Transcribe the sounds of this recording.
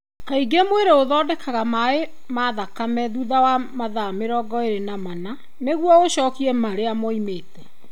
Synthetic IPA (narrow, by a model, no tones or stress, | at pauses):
kaiɡemweɾeoðɔːdɛkʰaɣamae | maːðakamɛðuðawamaðameɾɔːɡɔeɾenamana | neɣwɔoɕɔːkiɛmaɾeamɔimeːtɛ